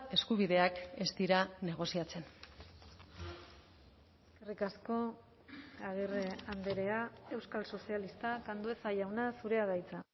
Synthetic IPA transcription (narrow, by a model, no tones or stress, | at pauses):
e̞skuβiðe̞ake̞st̪iɾane̞ɣ̞o̞siat͡se̞n | krikasko̞ | aɣ̞ireand̪e̞ɾe̞ae̞wskalso̞sialist̪akand̪ue̞saʝawnasuɾe̞að̞ajt͡sa